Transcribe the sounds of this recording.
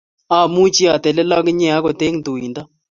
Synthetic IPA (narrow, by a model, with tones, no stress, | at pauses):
a˨mu˦t͡ʃi˦a˨t̪ɛ˨lɛ˦la˦kɪ˦ɲɛ˦a˦kɔ˨te˦ŋd̪u˨i˨nda˦